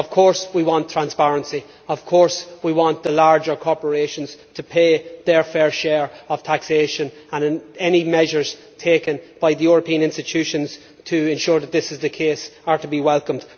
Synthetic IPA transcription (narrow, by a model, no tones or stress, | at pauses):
ʌv̥kʰɔɹswiwɑ̃ntʰɹ̥ãnspaɹə̃nsi | ʌv̥kʰɔɹswiwɑ̃nðəlaɹd͡ʒə˞kʰɔɹpə˞eʃə̃nz̥tʰəpʰeːðə˞fɛɹʃɛɹəv̥tʰakseːʃə̃n | ə̃nɛnimɛʒə˞z̥ | tʰeːkə̃nb̥aɪðəjʊɹəpʰĩə̃nɪ̃nstɪtʰʉʃə̃nz̥ | tʰəɪ̃nʃʊɹðət̪̚ðɪsɪzðəkʰesə˞təbiwɛlˠkə̃md̥